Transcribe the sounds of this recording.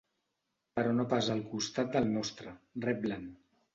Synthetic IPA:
pəɾɔnopazəlˠkust̪at̪̚d̪əlˠnɔst̪ɾərɛp̚lan

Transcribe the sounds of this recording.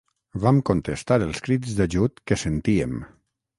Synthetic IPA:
βamkont̪est̪aɾəlˠskɾidzðaʒut̪kesent̪iem

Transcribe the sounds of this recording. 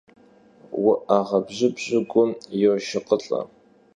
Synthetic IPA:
wʊʔaʁɐbʑɪbʑɪɡʷʊmjɛʃɪqʼəɬʼɐ̰

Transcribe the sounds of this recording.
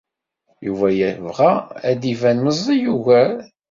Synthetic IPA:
juvæjəvʁææd̪ivænməzˤijuvæl

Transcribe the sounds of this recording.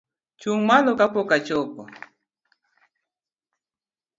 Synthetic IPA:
t͡ʃuŋmalokapokat͡ʃɔpo

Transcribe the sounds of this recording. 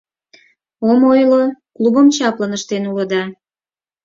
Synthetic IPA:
omojloklubəmt͡ɕɑplənəʃt̪enuləd̪ɑ

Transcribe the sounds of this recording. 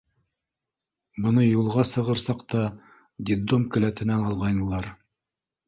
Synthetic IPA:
bɤ̆nɤjulˠʁɑsɤ̆ʁɤ̆ɾsɑqt̪ɑ | d̪ʲid̪omkɘ̆læt̪ɘ̆nænɑlˠʁɑjnɤ̆lˠɑɾ

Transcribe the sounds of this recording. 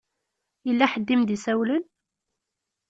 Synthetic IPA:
jəlːæħəd̪ːimd̪isæwlən

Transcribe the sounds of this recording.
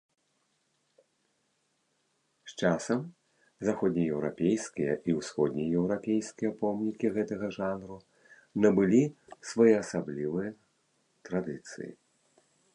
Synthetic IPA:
ʃt͡ʂasɐm | zaxɔd̪ʲnʲijɛwɾa̰pʲejskʲijɐʔiwsxɔd̪ʲnʲijɛwɾapʲejskʲijɐpɔmnʲikʲiɣɛt̪ɐɣɐʐanɾu | nɐbɨlʲisvajɛɐsablʲivɨjɐ | t̪ɾad̪ɨt̪sɨ̰jḭ

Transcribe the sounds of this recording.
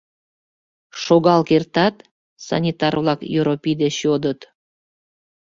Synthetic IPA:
ʃoɣɑlˠkert̪ɑt̪ | sɑ̰nʲit̪ɑrvlˠɑkjuɾopʲid̪eɕjod̪ət̪

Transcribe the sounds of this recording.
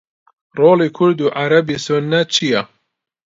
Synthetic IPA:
roːlikʰʊɾd̪uːʔaɾɐbisunːɐt͡ʃʰija

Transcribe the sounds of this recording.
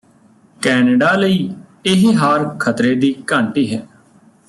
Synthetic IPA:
kɛːnəɖaːləiːɪɦɦaːɾkʰət̪ɾeːd̪iːkəɳʈiːɦɛː

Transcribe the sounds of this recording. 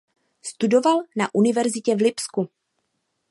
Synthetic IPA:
st̪udo̞valnaʔunɪvɛɾzɪcɛvlɪpsku

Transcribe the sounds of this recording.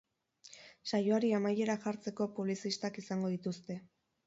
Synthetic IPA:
sajo̞aɾiamaje̞ɾaxaɾt͡se̞ko̞puβ̞lisist̪akisaŋɡo̞ðit̪ust̪e̞

